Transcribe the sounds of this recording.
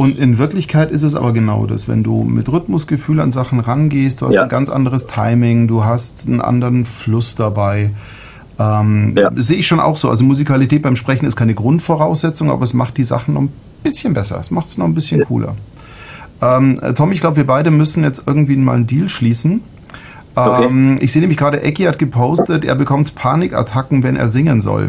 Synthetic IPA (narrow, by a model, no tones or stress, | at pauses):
ʔʊntɪnvɪɐklɪçkʰaɪtɪs̬tɛs̬ʔa̰ːbɐɡəna̰ʊda̰svɛ̰ndṵːmɪ̰tʁʏtmʊsɡ̥əfyːla̰nzaχn̩ʁanɡeːst̚d̥uːha̰stn̩ɡant͡sʔa̰ndəʁəstʰaɪmɪŋduːɦastn̩ʔa̰ndəʁənflʊsd̥abaɪ | ʔɛːmzeːəɪçʃoːnʔa̰ʊxz̥oːʔa̰lzomuzikalitʰɛːt̚b̥aɪmʃpʁ̥ɛçn̩ɪstkʰaɪnəɡʁʊntfɔʁaʊsz̥ɛt͡sʊŋʔa̰ːbɐɛsmaχt̚d̥iːza̰χn̩nɔ̰χn̩ | b̥ɪsçənbɛsɐ̰ɛsmaχtsnɔχn̩bɪsçənkʰṵːlɐ̰ | ʔɛːmtʰɔmɪçɡlaʊbəviɐbaɪɾəmʏsn̩jɛt͡stʔɪɐɡŋ̩tv̥iːnma̰ːlndiːlʃliːsn̩ | ʔɛmʔɪ̰çszeːneːmɪçɡʁaːɾəʔɛkihat̚ɡ̥əpʰoʊstətʔḛːɐbəkʰɔmtpʰaːnɪka̰tʰakŋ̩vɛnʔḛːɐzɪŋənzɔ̰l